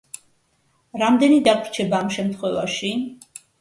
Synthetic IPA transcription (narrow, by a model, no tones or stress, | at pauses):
ɾamd̪ɛnid̪aɡɾt͡ʃʰɛbaːmʃɛmt̪ʰχwɛvaʃi